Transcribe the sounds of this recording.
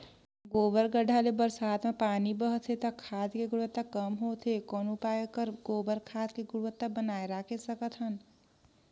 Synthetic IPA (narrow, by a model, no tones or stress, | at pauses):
ɡobəɾɡəɖʱalebəɾsat̪ʰmapanibəɦt̪ʰet̪ʌkʰad̪keɡuɾwət̪ːakʌmɦot̪ʰekonupaekəɾɡobəɾkʰad̪keɡuɽʋət̪ːabənajɾakʰesəkət̪ʰən